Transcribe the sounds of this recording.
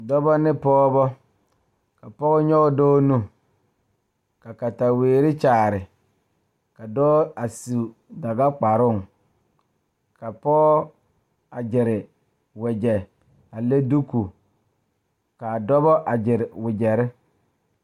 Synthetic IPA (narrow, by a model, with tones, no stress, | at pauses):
dɔ˦bɔ˦nɪ˦pɔː˦bɔ˦ | ka˨pɔ˦ɣɔ˦ɲɔ˦ɡɔ˦dɔː˦nu˦ | ka˨ka˨ta˨weː˨ɾɪ˦t͡ʃaː˨ɾɪ˨ | ka˨dɔ˦a˨si˨ | da˨ɡa˦k͡pa˨ɾʊ˦˨ŋ | ka˨pɔ˦ | a˨d͡ʒɪ˨ɾɪ˨ | wɛ˨d͡ʒɛ˨ | a˨le˦du˦ku˨ | ka˨dɔ˦bɔ˦ʔa˨d͡ʒɪ˨ɾɪ˨wɪ˨d͡ʒɛ˨ɾɪ˦